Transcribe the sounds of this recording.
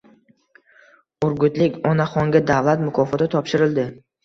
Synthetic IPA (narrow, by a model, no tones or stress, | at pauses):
ʊɾɡʊt̪lɪkʲɒnaχɒŋɡʲad̪avlˠat̪mʊkʰɒfɒt̪at̪ʰɒpʃɪɾɪld̪ɪ